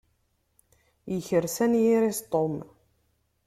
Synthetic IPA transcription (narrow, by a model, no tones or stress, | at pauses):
jəçəɾsænjiɾist̪ˤom